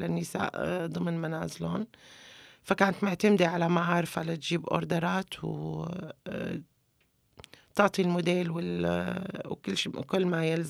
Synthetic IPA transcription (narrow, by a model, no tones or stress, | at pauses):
lanːɪsa̰ːʔd̪ˤɨmnmanaːzɪlo̰ːn | fakaːnat̪mʊʕt̪amd̪iʕalamaʕɑːɾfalat̪ʒiːbʔʊ̰ɾˤd̪ɑɾˤaːt̪w | t̪ɑʕt̪ˤilmʊd̪eːlwɪl | wkɪlːʃikʊlːmajɪlz